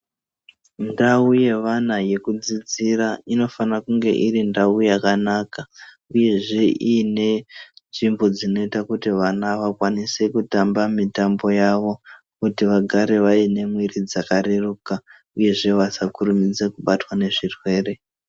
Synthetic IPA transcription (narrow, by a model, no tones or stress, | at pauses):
ndauje̞ʋanaje̞kud͡zid͡ziraino̞fanakuŋɡe̞̰ʔiɾindaujakanaka | uje̞ʐe̞ʔiːne̞nʐimbo̞d͡zino̞itakutiʋanaʋakwanise̞kutambamitambo̞jaʋo̞ | kutiʋaɡʱaɾe̞ʋaine̞mwirid͡zakaɾeruːka | uje̞ʐe̞ʋasakuɾumid͡ze̞kuɓatwane̞ʐirwe̞ːre̞